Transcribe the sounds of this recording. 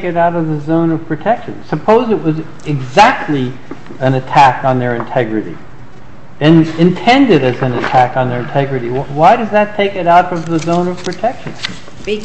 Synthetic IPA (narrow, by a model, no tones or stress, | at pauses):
kɨɾaʊɾʌvðɨzõʊ̃nʌv̥pʰɹ̥ɨtʰɛkʃɨ̰̃nsɨpʰoʊzɨʔ̚wʌz | ɪɡzæk̚tʰˡli | ɨ̃nɨtʰækn̩ðə˞ɨ̃ntʰɛɡɹɨɾḭ | ɨ̃nɨ̃ntʰɛ̃ndɨɾɨzɨ̃nɨtʰækn̩ðə˞ɨ̃ntʰɛɡɹɨɾiwwaɪɾʌzðɨtʰeɪkɨɾaʊɾʌvðəzõʊ̃nʌv̥pʰɹ̥ɨtʰɛkʃɨ̰̃n